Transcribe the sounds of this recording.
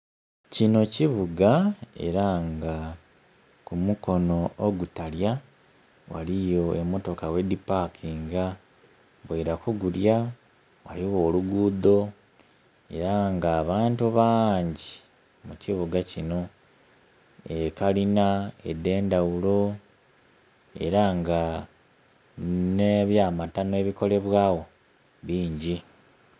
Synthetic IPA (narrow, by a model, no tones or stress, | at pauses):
cino̞ciβuɡae̞̰ɾaŋɡa | kumuko̞no̞oɡutalja | wa̰lijo̞emːo̞to̞kawe̞dipakʰiːŋɡa | βweɾakuɡuɾja | wa̰liwo̞ːluɡuːd̪o̞ | e̞̰ɾaŋɡaːβaːntuβaːɲɟi | muciβuɡacino̞ | ekalinaedːe̞ːndawulo̞ | e̞̰ɾaŋɡa | neβjaːmatanoe̞ːβiko̞le̞βwaːɣo̞ | βiːɲɟi